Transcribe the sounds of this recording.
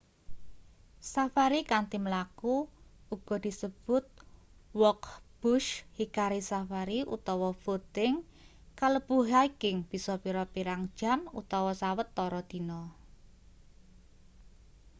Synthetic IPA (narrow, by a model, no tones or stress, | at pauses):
safaɾikant̪iməlakuuɡ̥ɔ̤d̪̥i̤səb̥ʊt̪̚wɔkb̥ʊʃhikaɾisafaɾiʔṵt̪ɔwɔfot̪ɪŋ | kaləb̥uɦaikɪŋb̥i̤sɔpiɾɔpiɾaŋd̥ʒ̥a̤nṵt̪ɔwɔsawət̪ːɔɾɔd̪̥i̤nɔ